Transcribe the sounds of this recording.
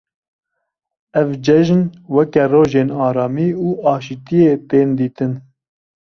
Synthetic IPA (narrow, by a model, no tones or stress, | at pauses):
ɛvd͡ʒɛʒnwɛkɛroːʒeːnɑːɾɑːmiːuːɑːʃit̪ijeːt̪eːnd̪iːt̪ɨn